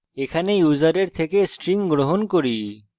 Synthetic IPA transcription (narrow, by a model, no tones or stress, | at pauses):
ekʰanejuzaɾeɾt̪ʰekesʈɾiŋɡɾoɦonkoɾi